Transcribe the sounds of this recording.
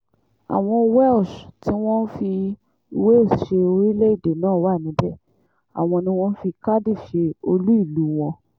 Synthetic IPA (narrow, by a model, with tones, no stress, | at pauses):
a̰˨w̃ɔ̃˧wɛ˦lsti˨˦w̃ɔ̃˦n̩˦fi˧ | we˦˨ʃe˧o˧ɾi˦le˦i˦˨de˨nãː˦˨wa˦˨nĩ˨˦bɛ˦˨ | a̰˨w̃ɔ̃˧nĩ˧w̃ɔ̃˦n̩˦fi˧ka˦di˦˨ʃe˧o˧lu˦i˦˨lu˨˦w̃ɔ̃˧